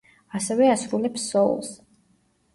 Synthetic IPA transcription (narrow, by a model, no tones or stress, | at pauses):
asɛvɛasɾulɛpsːɔ̰lˠs